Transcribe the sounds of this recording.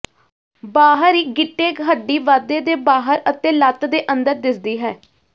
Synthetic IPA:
baːɦəɾiːɡɪʈːeːkɦəɖːiːʋaːd̪eːd̪eːbaːɦəɾət̪ẽːlət̪d̪eːʔənd̪əɾd̪ɪsd̪iːɦɛː

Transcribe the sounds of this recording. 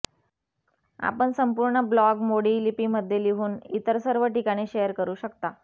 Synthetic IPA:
a̰pəɳsəmpuɾɳəblɔɡmoɽiːlipiməd̪ʱjeliɦuːnḭt̪əɾsəɾʋəʈikaɽ̃iːɕejəɾkəɾuːɕəkt̪a

